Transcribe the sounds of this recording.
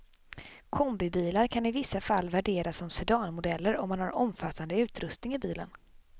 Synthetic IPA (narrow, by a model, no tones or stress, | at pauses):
kʰɔmbɪbiːlaɾkʰanɪvɪsːafalːvæɖeːɾasɔmsɛd̪ɑːnmʊd̪ɛlːəɾɔmːanhaɾɔmfat̪ːand̪əʉ̟ːt̪ɾɵst̪nɪŋɪbiːlən